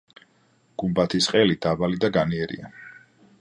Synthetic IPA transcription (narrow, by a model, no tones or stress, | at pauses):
ɡ̥umbat̪ʰisqʼɛlid̪̥abalid̪aɡaniɛɾḭa